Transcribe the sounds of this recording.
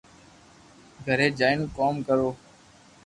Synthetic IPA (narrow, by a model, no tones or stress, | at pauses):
ɡʱəɾeːd͡ʒaːɪnkoːmkəɾoː